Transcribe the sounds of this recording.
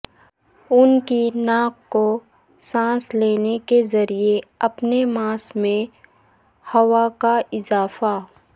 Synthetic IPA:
ʊnkinaːkːo | sãːsleːnekezɐɾieɐpnemãːsmẽ | hɐwakaɪzaːfa

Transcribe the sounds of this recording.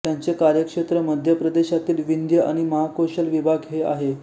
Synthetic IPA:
t̪jant͡sekaɾjəkʂet̪ɾəməd̪ʱjəpɾəd̪eɕat̪iːlʋind̪jəa̰ɽ̃iməɦakoɕəlʋibʱaɡɦea̰ɦe

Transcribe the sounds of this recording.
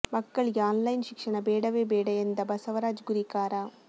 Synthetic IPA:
mɐkːɐɭaːnlɐjnʃɪkʂɐɳɐbeːɽɐʋeːbeːɽɐend̪ɐbɐsɐʋɐɾaːd͡ʒɡʊɾikaːɾaː

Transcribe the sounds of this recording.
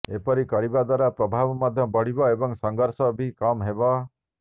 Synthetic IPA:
epɔɾikɔɽibad̪waɾapɾɔbʱabɔmad̪ʱjɔbɔɽ̤ibɔebɔŋsɔŋɡɔɾsɔbʱikɔmɦebɔ

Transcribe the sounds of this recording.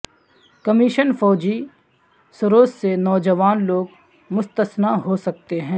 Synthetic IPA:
kɐmiʃənfɔːd͡ʒi | sʊɾoːssenɔːd͡ʒəʋaːnloːɡ | mʊst̪əsnaɦosɐk̚t̪eɦɛ̃ː

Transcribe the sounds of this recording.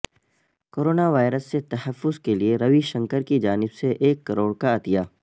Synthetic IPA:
koːɾoːnaʋaːɪɾəsːet̪ɐhəfːʊzkelieɾɐʋiʃɐ̃ŋkəɾkid͡ʒaːnɪbseʔeːkːɐɾoːɽkaɐt̪ijaː

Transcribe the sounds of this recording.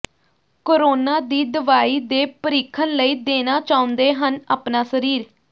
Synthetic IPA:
koːɾoːnaːd̪iːd̪əʋaːiːd̪eːpəɾiːkʰːənləiːd̪eːnaːt͡ʃaːʊ̃nd̪eːɦənaːpnaːsəɾiːɾ

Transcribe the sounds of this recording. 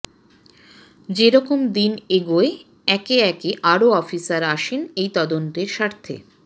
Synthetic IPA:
d͡ʑeɾɔkomd̪ineɡoe | ɛkeɛkeʔaɾoɔfisaɾaʃenejt̪ɔd̪ont̪eɾʃaɾt̪ʰḛ

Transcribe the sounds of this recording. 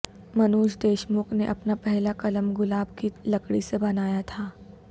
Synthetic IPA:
mɐnuːʃd̪eːʃmʊkneʔɐpnapɛɦlakɐləmɡʊlaːb̚kilɐkɽisebɐnaːjat̪ʰaː

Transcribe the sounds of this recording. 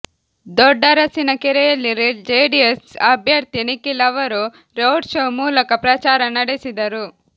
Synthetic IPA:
d̪ɔɖːɐɾɐsinɐkɛɾɛjɐlːiɾed͡ʒeːɖiesɐbʱjɐɾt̪inikːilɐʋɐɾu | ɾowɖʃowmuːlɐkɐpɾɐt͡ʃaːɾɐnɐɽesid̪ɐɾu

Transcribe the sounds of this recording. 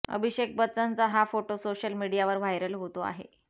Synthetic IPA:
ə̰bʱiɕek̚bət͡sənt͡saɦafoʈosoɕəlmiɽijaʋəɾʋajɾəlɦot̪oa̰ɦḛ

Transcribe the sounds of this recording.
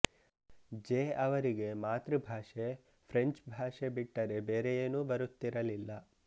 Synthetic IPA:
d͡ʒeːɐʋɐɾiɡe̞maːt̪ɾɨbʱaːʂe | pʰɾe̞ɲt͡ʃbʱaːʂebiʈːɐɾe̞beːɾejeːnuːbɐɾut̪ːiɾɐlilːɐ

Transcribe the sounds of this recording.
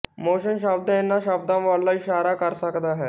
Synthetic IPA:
moːʃənʃ̬aːb̚d̪ə̃enːaʃaːb̚d̪ãʋaːlːaɪʃaːɾakəɾsəkd̪aɦɛː

